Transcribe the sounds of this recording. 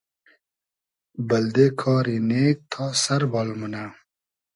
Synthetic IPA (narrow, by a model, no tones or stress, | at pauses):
bɐld̪eːkʰɑːɾineːk̚t̪ʰaːsɐɾbɑːlmunaː